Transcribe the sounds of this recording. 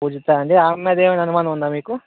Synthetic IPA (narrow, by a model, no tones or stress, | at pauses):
uːd͡ʒit̪ːaːɐɳɖeamːed̪eːmenɐnumaːnɐmund̪aːmiːku